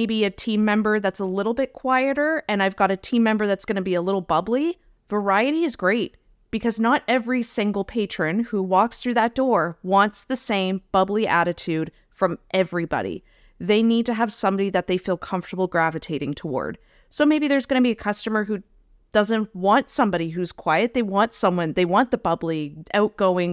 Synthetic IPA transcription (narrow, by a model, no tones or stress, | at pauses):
ɪbiɨtʰĩmːɛ̃mbə˞ðætsəlɪɾl̩ˠbɪt̚kʰw̥aɪɨɾə˞ɨ̃naɪvɡɑɾɨtʰĩmːɛ̃mbə˞ðætsɡ̥ʌnɨbiəlɪɾl̩ˠbʌbli | və˞aɪɨɾiɨzɡɹeɪt̚ | b̥ɨkʰʌznəɾɛvɹisɪ̃ŋɡl̩ˠpʰeɪt͡ʃɹ̥ɨ̃nhuwɔksθɹʉðɨt̚d̥ɔɹwɑ̃ntsðɨsẽɪ̃mb̥ʌbliʔæ̰ɾɨtʰʉd̥ | fɹʌ̃mʔɛvɹibɑ̰ɾḭ | ðeɪnid̚tɨːv̥sʌ̃mbɑɾiðɨt̪̚ðeɪfilˠkʰʌ̃ɱftə˞bl̩ˠɡɹævɨtʰeɪɾɪ̃ŋtʰəwɔ̰ɹd̥̚ | soʊmeɪbiðə˞zɡʌnɨbiɨkʰʌstɨmə˞ɦʉ | d̥ʌzɨ̃nʔwɑ̃ntsʌ̃mbɑɾiɦʉz̥kʰw̥aɪɨt̪̚ðeɪwɑ̃ntsʌ̃mwʌ̃nðeɪwɑ̃nðɨbʌbliʔaʊt̚ɡ̥oʊɪ̃ŋ